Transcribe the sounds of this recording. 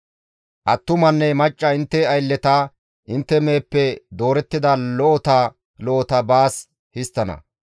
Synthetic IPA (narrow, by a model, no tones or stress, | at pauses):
ʔɐt̪ːʊmɐnːɛmɐt͡ʃʼːɐɪnt̪ːɛɐjlːɛt̪a | ʔɪnt̪ːɛmeːpːɛd̪o̞ːɾɛt̪ːɪd̪ɐlɔʔɔt̪a | lɔʔɔt̪ɐbaːs | hɪst̪ːɐnɐ̰